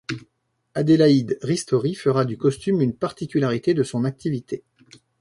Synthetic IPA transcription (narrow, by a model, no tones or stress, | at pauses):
ad̪elaid̪ʁist̪ɔʁifəʁad̪ykɔst̪ymynpaʁt̪ikʲylaʁit̪ed̪əsɔ̃nak̚t̪ivit̪ʰe